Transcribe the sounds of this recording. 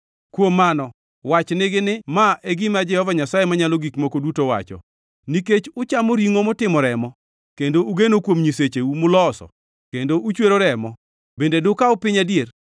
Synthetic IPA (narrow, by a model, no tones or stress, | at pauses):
kwomːanɔ | wat͡ʃnɪɡɪnɪmaʔeɡɪmad͡ʒɛhɔvaɲasajemaɲalɔɡikmokodutowa̰t͡ʃɔ̰ | niket͡ʃʊt͡ʃamoɾiŋomɔtɪmɔɾɛmɔ | kendouɡenokwomɲiset͡ʃeumʊlɔsɔ̰ | kendoʔut͡ʃweɾoɾɛmɔ | bendedʊkaʊpɪɲadjer